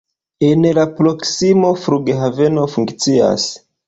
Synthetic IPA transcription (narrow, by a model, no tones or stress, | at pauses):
e̞nlapɾo̞ksimo̞fɾuɡeɦave̞no̞fuŋkt͡sia̰s